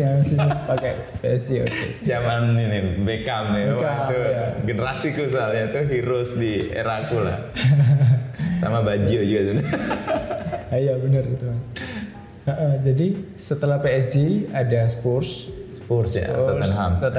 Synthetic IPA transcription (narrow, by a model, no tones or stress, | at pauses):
asiɲapaka | peɛsd͡ʒio̰kḛ | d͡ʒamanːinɪbekamnɪbekat̪ujaɡənəɾasikus̬oalɲat̪uɦiɾʊsdiḛɾakula̰h | sa̰mabad͡ʒiod͡ʒuɡat̪un | ajabənərit̪u | əʔəd͡ʒadisət̪əlahpeɛs̬d͡ʒiadasə̥pʊrssə̥pʊrsja̰at̪ənɦamsət̪